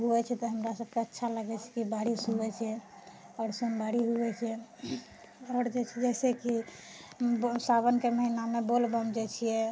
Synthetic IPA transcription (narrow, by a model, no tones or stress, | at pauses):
ɦuɛt͡ʃʰɛt̪ɔɦəmɾasəb̚keətːʃʰaləɡɛt͡ʃʰɛ̥kibaɽisubɛt͡ʃʰɛ | ɔːɾsunbaɽiɦuɛt͡ʃʰɛ | ɔɾd͡ʒet͡ʃʰɛd͡ʒɛseki | saβənkeməɦinamebolbəmd͡ʒet͡ʃʰijɛ